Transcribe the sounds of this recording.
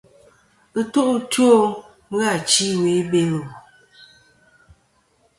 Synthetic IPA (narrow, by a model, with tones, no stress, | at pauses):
tu˦ʔtwo˦ | ŋ˦ɣa˦˨t͡ʃi˦we˨˦be˦ŋ˨ɔ˨